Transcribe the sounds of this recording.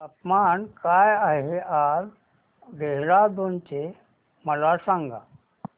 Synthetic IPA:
əpmankajaɦeaɾ | ɡeɦɾad̪ont͡ɕe | məlasãŋɡa̰

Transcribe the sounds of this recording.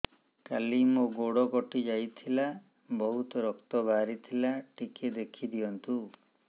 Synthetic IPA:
kalimoɡoɽɔkɔʈid͡ʒajt̪ʰila | bɔɦut̪ɔɾɔkt̪ɔbʱaɾit̪ʰilaʈiked̪ekʰid̪ijɔnt̪u

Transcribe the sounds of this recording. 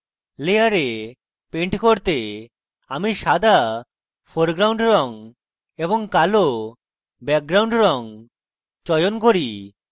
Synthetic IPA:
lejaɾe | peɳʈkoɾt̪e | amiʃad̪ʱa | pʰoɾɡɾawɳɖɾɔŋ | eboŋkalo | bɛk̚ɡɾawɳɖɾɔŋ | t͡ʃɔjonkoɾi

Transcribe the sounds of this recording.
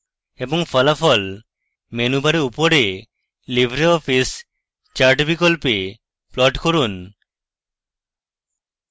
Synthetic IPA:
eboŋfʰɔlafɔl | menubaɾeupoɾe | libʱɾeɔfis | t͡ɕaɾʈbikolpe | plɔʈkoɾun

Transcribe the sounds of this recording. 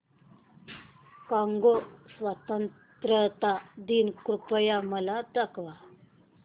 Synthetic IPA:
kaŋɡosʋat̪ən | t̪ɾət̪ad̪inkɾupəjaməlad̪akʋa

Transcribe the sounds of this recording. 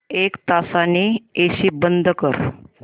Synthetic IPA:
ekt̪asanieɕiːbənd̪ʱəkəɾ

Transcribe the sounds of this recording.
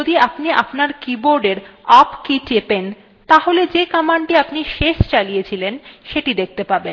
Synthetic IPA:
od̪iapniʔa̰pnaɾkiboɾɖeɾapkit͡ɕepen | t̪aɦoled͡ʑekamaɳʈiapniʃeʃt͡ɕalijet͡ɕʰilenʃeʈid̪ek̚ʰt̪epaɾben

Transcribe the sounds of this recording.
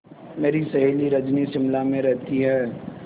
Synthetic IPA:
meːɾisɐɦeːliɾɐd͡ʒnisɪmlamẽɾɛɦt̪iɦɛː

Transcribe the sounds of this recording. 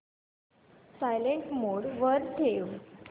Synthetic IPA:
sajleɳʈmoɽʋəɾt̪ʰeʋ

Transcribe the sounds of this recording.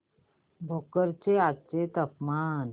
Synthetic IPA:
bʱokəɾt͡seat͡set̪əpmaːn

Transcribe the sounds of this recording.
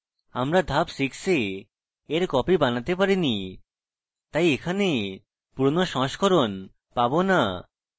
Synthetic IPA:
amɾad̪ʱapʃikse | eɾkɔpibanat̪epaɾini | t̪ajekʰane | puɾnoʃɔ̃ʃkʰoɾon | pabona

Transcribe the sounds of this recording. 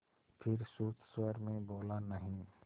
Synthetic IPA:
pʰɪɾsuːt̪ʰswəɾmẽboːlanɐɦĩ

